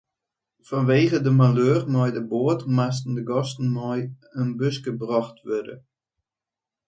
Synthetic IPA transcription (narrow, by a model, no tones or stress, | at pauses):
fɔnʋeːɣədəmaløːrmɔjdəboətmas̬tn̩dəɡɔstn̩mɔj | ənbøskəbrɔxtʋødə̰